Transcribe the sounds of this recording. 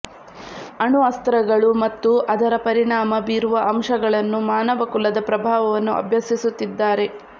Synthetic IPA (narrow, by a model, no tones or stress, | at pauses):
ɐɳuɐst̪ɐɾɐɡɐɭumɐt̪ːuʔɐd̪ɐɾɐpɐɾiɳaːmɐbiːɾuʋɐʔɐmʂɐɡɐɭɐnːumaːnɐʋɐkulɐd̪ɐpɾɐbʱaːʋɐʋɐnːuɐ̰bʱjɐsisut̪ːid̪ːaːɾe̞